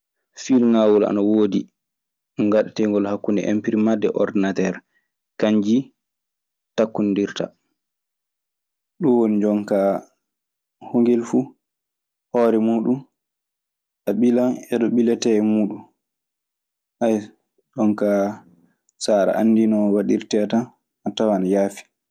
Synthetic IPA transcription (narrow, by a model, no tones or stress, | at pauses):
filŋawɔla̰nawoːdi | ŋɡaɗatɛŋɡɔlhakːundɛ̰ʔḛmpiɾimadːɛʔɔɾdinatɛɾ | kaɲd͡ʒi | takːundiɾta̰ | ɗuwonid͡ʒɔŋka | hoŋɡelfu | hɔːɾɛmuːɗum | ɗaɓilanɛɗɔɓilɛtɛmuːɗum | ʔaj | ɗɔŋka | saːɾa̰ʔanːdinɔwaɗiɾtɛata | atawanajaːfi̥